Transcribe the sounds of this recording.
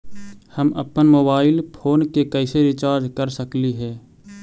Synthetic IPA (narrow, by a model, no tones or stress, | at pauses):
hɐmɐ̰pənmoːbaːɪlpʰoːnkekɐɪseɾɪt͡ʃaːɾd͡ʒkɐɾsɐkliɦɛː